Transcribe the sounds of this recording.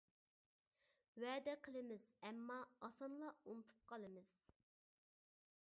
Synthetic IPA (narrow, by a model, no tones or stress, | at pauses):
wɛːd̪ɛqʰəlˠɨmɪz̥ɛmːɑːsɑnlˠɑunɨt̪ʰu̥p̚qʰɑlˠɨmɨz̥